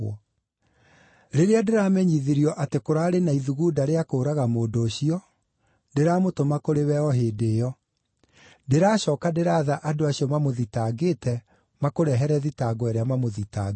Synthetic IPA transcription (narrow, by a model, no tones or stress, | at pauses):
ɔ | ɾeɾeadeɾaːmɛɲiðiɾiɔʔatekoɾaːɾenaiðuɣuːdaɾeakoːɾaɣamoːdoːɕiɔ | deɾaːmotomakoɾewɛɔɦeːdeːjɔ | deɾaːɕɔːkadeɾaːðaʔadoaɕiɔmamoðitaːɡetɛ | makoɾɛɦɛɾɛðitaɡɔɛɾeamamoðita̰